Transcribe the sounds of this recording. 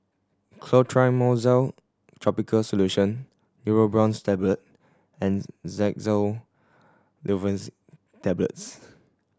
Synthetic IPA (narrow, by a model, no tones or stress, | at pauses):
kʰlotʰɹaɪmozal | tʰɹɔpikʰəlsoluʃə̃nː | juɹobɹɔ̃nstɛblət̚ | ɛ̃nzɛk̚zəl | lʔivə̃ns | tɛblə̰ts